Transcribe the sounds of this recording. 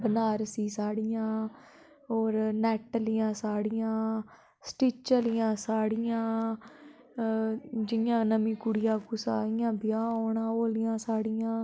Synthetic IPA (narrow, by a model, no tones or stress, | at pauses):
bənaːɾsiːsaːɽɪjãː | oːɾnɛːʈəlɪjãːsaːɽɪjãː | sʈit͡ʃəlɪjãːsaːɽɪjãː | d͡ʒɪjãːnəmiːkʊɽɪjãːkuːsa̰ːɽɪjãːbɪjãːoːɳãːoːlɪjãːsaːɽɪjãː